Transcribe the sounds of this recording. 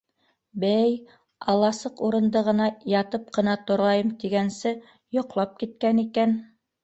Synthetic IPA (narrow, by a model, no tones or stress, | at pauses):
bæj | ɑlˠːɑsɤquɾɤ̆nd̪ɤʁɤ̆nɑjɑt̪ɤp̚qɤ̆nɑt̪ŏɾʁɑjɤmt̪iɡænsɘ | jŏqlˠɑp̚kit̪̚kænikæn